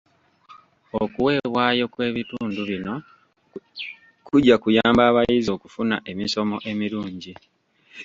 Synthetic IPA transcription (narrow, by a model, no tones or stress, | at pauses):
okuwe̞ːβwaːjo̞kwe̞ːβituːnduβino̞ | kuɟːakujaːmbaːβajizio̞kufunaʔe̞miso̞mo̞ʔe̞miluːɲɟi